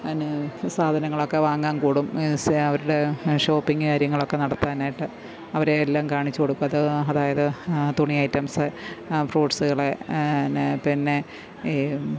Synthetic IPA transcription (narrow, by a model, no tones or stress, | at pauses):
ɐnsaːd̪ʱɐnɐŋːɐɭo̞kːe̞ʋaːŋːaːnkuːɽumɐʋɐɾuɽe̞ʂo̞ːpːiŋɡɨkaːɾjɐŋːɐɭo̞kːe̞nɐɽɐt̪ːaːnaːjiʈːɨ | ɐʋɐɾeːlːaːmkaːɳit͡ɕːukoɽukːuɐðɨɐðaːjɐðɨt̪uɳijɐjtːɐmsɨfroːɖsɨɣɐɭenpinːe̞